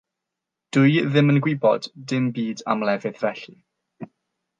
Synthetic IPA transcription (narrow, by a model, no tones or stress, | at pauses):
d̥ʊjðɪmənɡwɪbɔ̰d̥dɪmbiːda̰mlɛvɨðvɛɬi